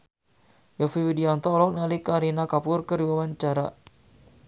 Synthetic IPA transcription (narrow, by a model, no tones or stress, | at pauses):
jafiwidiant̪ɔlɔk̚nalikaɾinakapʊrkəɾibawant͡ʃaɾa̰